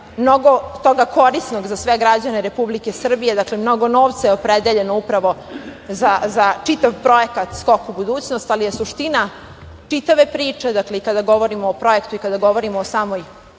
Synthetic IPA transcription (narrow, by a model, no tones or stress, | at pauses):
mnoɡo̞t̪o̞ɡakʰo̞ɾisno̞ɡzasʋe̞ɡɾad͡ʑane̞ɾe̞publike̞sr̩bije̞d̪aklemno̞ɡo̞no̞ːʋt̪sajeopɾed̪eʎe̞noupɾaʋo̞zazat͡ʂit̪aʋpɾo̞e̞kat̪sko̞kubud̪uːt͡ɕnost̪alijesuʂt̪ina | t͡ʂit̪aʋe̞pɾiːt͡ʂe̞d̪akle̞ikad̪aɡo̞ʋo̞ɾimoːpɾo̞e̞kt̪uikad̪aɡo̞ʋo̞ɾimoːsaːmo̞j